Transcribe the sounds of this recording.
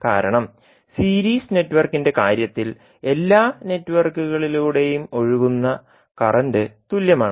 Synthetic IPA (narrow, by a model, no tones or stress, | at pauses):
kaːɾɐɳɐm | siːɾiːsne̞tːuʋɐrkːinde̞kaːɾjɐt̪ːil | e̞lːaːne̞tːuʋɐrkːuɣɐɭiluːɽe̞jumo̞ɻuʋunːɐ | kɐrɐndet̪uljɐmaːɳ